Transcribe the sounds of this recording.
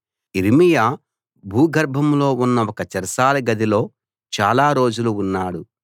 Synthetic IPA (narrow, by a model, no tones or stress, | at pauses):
iɾimijaː | bʱuːɡʱɐɾbʱɐmlo̞ːunːɐɔkɐt͡ʃɐɾɐsaːlɐɡɐd̪ilo̞ː | t͡ʃaːlaːɾo̞ːd͡ʒuluːnːaːɽu